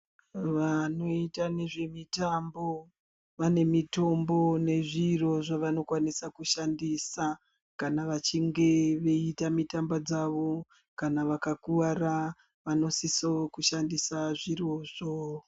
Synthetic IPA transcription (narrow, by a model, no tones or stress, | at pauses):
ʋano̞itane̞ʐe̞mitambo | ʋane̞mito̞mbo̞ne̞ʐiro̞ʐaʋano̞kwanisakuʃandisa | kanaʋat͡ʃiŋɡe̞ʋe̞itamitambad͡zaʋo̞ | kanaʋakakuʋara | ʋano̞sisokuʃandisaʐiroʐo